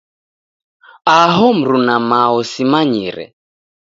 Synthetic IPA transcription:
aɦɔm̩ɾunamaɔsimaɲiɾɛ̰

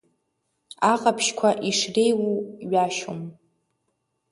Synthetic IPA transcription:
aqʼapʰʃkʷʰaʔiʂrejwuɥaʃom

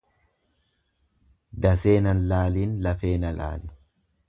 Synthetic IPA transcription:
d̪ɐseːnɐnlaːliːnlɐfe̞ːnɐla̰ːlɪ

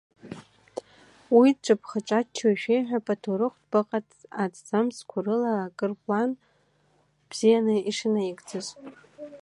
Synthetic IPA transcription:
wiʈ͡ʂʷʼɨpʰχaʈ͡ʂʼat͡ʃʰaʃᶣejħᶣapʼatʰuɾɨχʷtʰʼbaqʼatʰʼad͡zʰd͡zamskʷʰʊrɨlaːkʼɨrpʼlan | b̥z̥ijanɨiʂɨnajiɡʼd͡zɨzʼ

